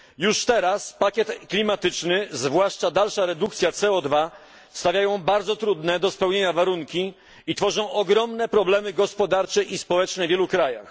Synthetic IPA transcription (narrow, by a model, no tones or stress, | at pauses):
juʂt̪ɛɾaspakʲɛt̪klʲimat̪ɘt͡ʂnɘzvwaʂt͡ʂad̪alʂaɾɛd̪ukt̪sʲjat̪sɛɔd̪va | st̪avjajɔ̃w̃baɾd̪zɔt̪ɾud̪nɛd̪ɔspɛwɲeɲavaɾuŋkʲi | it̪fɔʐɔ̃w̃ʔɔɡɾɔmnɛpɾɔblɛmɘɡɔspɔd̪aɾt͡ʂɛʔispɔwɛt͡ʂnɛvʲjɛlukɾaja̰x